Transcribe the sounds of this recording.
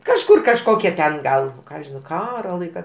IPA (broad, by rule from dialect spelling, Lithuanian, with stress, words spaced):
kɐʃˈkʊr kɐʃˈkoːkʲɛ tʲɛn ˈɡɐlˠ nʊ ˈkɑː ʒʲɪˈnɐʊ ˈkɑːroː ˈlˠɐɪkɐ